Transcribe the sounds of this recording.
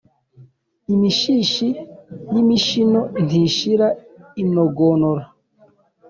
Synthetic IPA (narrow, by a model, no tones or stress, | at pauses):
imiʃiʃinimiʃinon̥tiʃiɾainoɡonoɾa